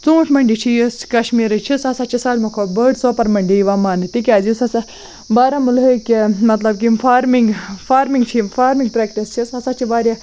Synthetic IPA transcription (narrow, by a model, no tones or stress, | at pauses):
t͡sũːʈʰmɐɳɖit͡ʃʰijoskɐʃmiːɾɨt͡ʃʰisɐsat͡ʃʰisaːlʲmɐkʰoːbəːɖsoːpɐɾmɐɳɖiiʋaːmaːnɨt̪ik̬ʲaːzisɐsa | baːɾamulɦəkʲemɐt̪lɐbkimfʰaːɾmiŋɡfʰaːɾmiŋɡt͡ʃʰifʰaːɾmĩŋɡpɾeːk̚ʈist͡ʃʰisɐsat͡ʃʰibaːɾja